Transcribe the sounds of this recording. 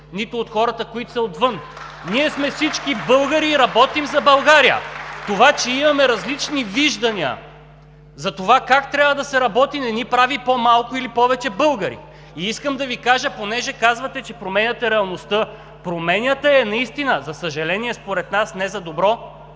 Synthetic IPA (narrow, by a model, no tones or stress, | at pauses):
nit̪oːt̪xɔɾɐt̪əkoit̪ʊsɛot̪vɤn | niɛsmɛfsit͡ʃkibɤlˠɡəɾiːɾɐbɔt̪imzɐbɐlˠɡaɾijə̰t̪ovat͡ʃɛimɐmɛɾɐzlit͡ʃniviʒd̪ɐniɐ̰ | zɐt̪ovakakt̪ɾʲabvəd̪ɐsɛɾɐbɔt̪inɛnipɾavipomalˠkʊilipɔvɛt͡ʃɛbɤlˠɡəɾḭ | iiskəmd̪ɐvikaʒəponɛʒɛkazvɐt̪ɛt͡ʃɛpɾomɛnʲɐt̪ɛɾɛɐlˠnost̪ɤ | pɾomɛnʲjət̪əɛnɐist̪inəzɐsəʒɐlɛniɛspoɾɛt̪nasnɛzɐd̪obɾɔ